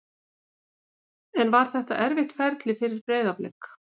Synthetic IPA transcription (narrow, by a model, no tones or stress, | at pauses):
ɛnvaɾ̥θɛht̪a̰ʔɛɾvɪht̪fɛɾt̪lɪfɪɾɪɾpɾɛːðaplɛ̰k